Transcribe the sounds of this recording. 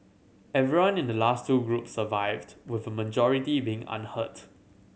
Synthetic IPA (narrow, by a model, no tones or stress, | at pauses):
ɛvɹiwãnɪ̃ndəlastʰːuːɡɹupsəvaɪvdwɪvəməd͡ʒɔɹitibiɪ̃ŋã̰nhət